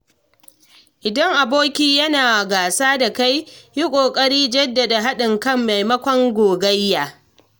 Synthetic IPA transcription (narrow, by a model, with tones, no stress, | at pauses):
ʔɪ˨dɐ˦ŋʔa˨boː˦kʲiː˦jɐ˦naː˨ɡaː˨saː˦da˨ka˦jji˦kʷʼoː˨kʼɐ˦ɽiː˦d͡ʒɐ˦dːɐ˨da˨ɦa˦ɗɪ˨ŋkɐ˦mːa˨jmɐ˦kʷɔ˦ŋɡʷoː˨ɡɐ˦jːaː˨